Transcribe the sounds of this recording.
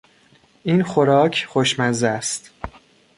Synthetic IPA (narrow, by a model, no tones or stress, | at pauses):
ʔiːnxoɾɒːcʰxoʃmæzæst̪